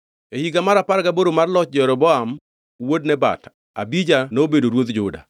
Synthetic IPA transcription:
ehiɡamaɾapaɾɡaboɾomarlɔt͡ʃ̚d͡ʒɛɾɔbɔam | wodnɛba̰ta | a̰bid͡ʒanobedoɾwot̪d͡ʒʊda̰

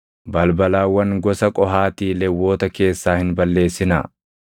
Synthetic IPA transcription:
bɐlbɐlaːwːɐŋɡɔsɐkʼɔɦaːt̪iːlɛwːo̞ːt̪ɐke̞ːsːaːhɪnbɐlːe̞ːsɪnɐ̰

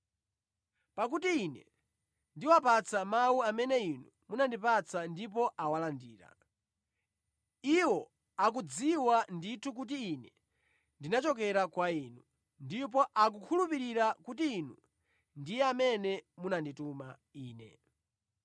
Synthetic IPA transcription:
pak̬utiinɛ | ndiwapat͡samawuamɛnɛinu | munandipat͡sʰandipɔʔawalandiːɾa̰ | iwɔ | akud͡ziwanditʰuk̬ut̬iːnɛ | ndinat͡ʃɔkɛɾakwaiːnu | ndip̬ɔʔak̬ukʰulupiɾiɾakutiːnu | ndijɛamɛnɛmunandituma | iːnɛ̰

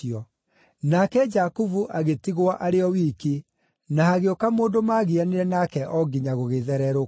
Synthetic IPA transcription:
ɔ | nakɛd͡ʒakuvuʔaɣetiɣwaʔaɾeɔwiːki | naaɣeokamoːndomaːɣianeɾɛnakɛʔɔɡiɲaɣoɣeðɛɾɛɾo

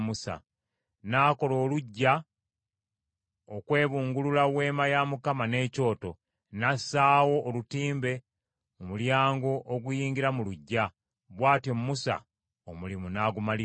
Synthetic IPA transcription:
musa̰ | naːko̞lo̞ːluɟːa | okwe̞ːβuːŋɡululawe̞ːmajamukamane̞ːco̞ːto̞ | nasaːwo̞ʔːlutiːmbe̞ | mumuljaːŋɡo̞ʔːɡujiːɲɡiɾamuluɟːa | βwaːtjomumːusa̰ | omulimunaːɡumali

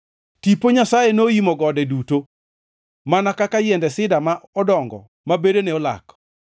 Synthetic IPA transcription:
tipoɲasajenoimoɡɔdɛduto | manakakajɛndɛsɪdamaɔdɔŋɡɔ̰ | mabedeneɔla̰k

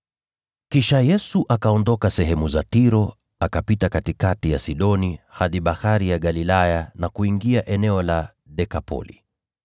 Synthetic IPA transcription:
kiʃajɛsuʔakaɔndɔkasɛɦɛmuzatiɾɔ | akapitakatikatijasiɗɔnihaðiɓahaɾijaɠalilajanakuiŋɡiaʔɛnɛɔla | ɗɛkapʰɔ̰lḭ

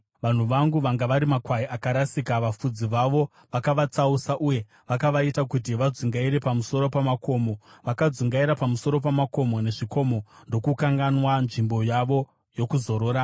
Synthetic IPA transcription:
ʋan̤uʋaŋɡuʋaŋɡaʋaɾimakwaiʔakaɾasikaʋafud͡ziʋaʋo̞ | ʋakaʋat͡sausaʔuje̞ | ʋakaʋaitakutiʋad͡zuŋɡaiɾe̞pamuso̞ɾo̞pamako̞ːmo̞ʋakad͡zuŋɡaiɾapamuso̞ɾo̞p̬amako̞mo̞ne̞ʐiko̞mo̞ndo̞kukaŋɡanwanʐimbo̞jaʋo̞ | jo̞kuzo̞ɾo̞ːɾa

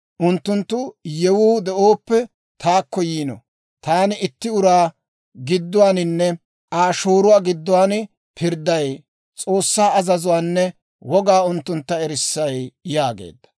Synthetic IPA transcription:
ʔʊnt̪ːʊnt̪ːʊjɛwuːd̪ɛʔoːpːɛ | t̪ʰaːkːɔjiːnɔ̰ | t̪aːnɪɪt̪ːɪʊɾaː | ɡɪd̪ːʊwaːnɪnːɛ | ʔaːʃoːɾʊwaːɡɪd̪ːʊwaːn | pʰɪɾd̪ːɐj | t͡sʼo̞ːsːaːɐzɐzʊwaːnːɛ | wɔɡaːʊnt̪ːʊnt̪ːɐɛɾɪsːɐjjaːɡḛːd̪ːɐ̥

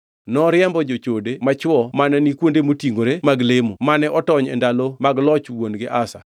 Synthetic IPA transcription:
nɔɾɪɛmbɔd͡ʒot͡ʃodemat͡ʃwɔmanɛnikwondemotiŋɡoɾemaɡlemomanɛʔɔtɔɲɛ̰ndalomaɡlɔt͡ʃwonɡɪʔasa̰

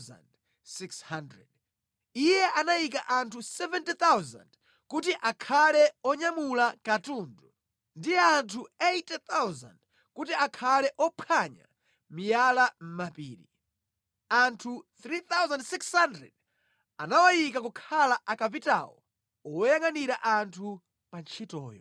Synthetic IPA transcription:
za̰nd | sikshandɾɛ̰d̚ | ijɛʔanaik̬aʔantʰusɛvɛntit̪awza̰nd | kutiʔakʰalɛɔɲamulakatuːndu | ndijɛantʰuejtɛt̪awza̰nd | kutiakʰalɛʔɔpʰaɲa̰ | mijalam̩mapḭːɾḭ | antʰuθɾit̪awzandsikshandɾɛ̰d̚ | anawajikakukʰalaʔakavita̰wɔ̰ | ɔwɔjaŋaniɾaʔantʰu | pant͡ʃʰitɔ̰ːjɔ̰

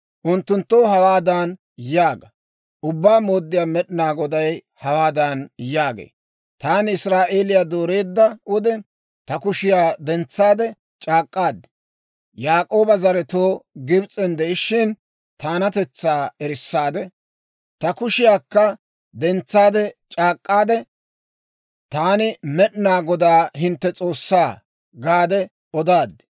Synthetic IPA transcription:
ʔʊnt̪ːʊnt̪ːoːɦɐwaːd̪aːn | jaːɡɐ | ʔʊbːaːmo̞ːd̪ːɪjaːmɛɗɪnaːɡɔd̪ɐj | hɐwaːd̪aːnjaːɡḛː | t̪aːnɪsɾaːʔe̞ːlɪjaːd̪oːɾe̞ːd̪ːɐʊd̪ɛ | t̪ɐkʊʃɪjaːd̪ɛnt͡sːaːd̪ɛ | t͡ʃʼaːkʼːaːd̪ɛ | jaːkʼo̞ːbɐzɐɾɛt̪oːɡɪbt͡sʼɛnd̪ɛɪʃːɪn | t̪aːnɐt̪ɛt͡sːaːɛɾɪsːaːd̪ɛ | t̪ɐkʊʃɪjaːkːɐ | d̪ɛnt͡sːaːd̪ɛt͡ʃʼaːkʼːaːd̪ɛ | t̪aːnɪmɛɗnaːɡɔd̪aːɦɪnt̪ːɛt͡sʼo̞ːsːaː | ɡaːd̪ɛ | ɔd̪aːd̪

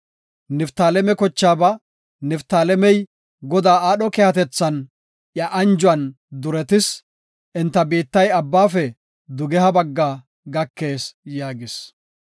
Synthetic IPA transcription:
nɪft̪aːlɛmɛkɔt͡ʃːaːbɐ | nɪft̪aːlɛmɛj | ɡɔd̪aːaːɗɔkɛhɐt̪ɛt͡sːɐn | ʔjɐʔɐnd͡ʒʊɐn | d̪ʊɾɛt̪ɪs | ʔɪnt̪ːɐbiːt̪ːɐjɐbːaːfɛ | d̪ʊɡɛhɐbɐɡːaː | ɡɐkːeːsjaːɡɪs

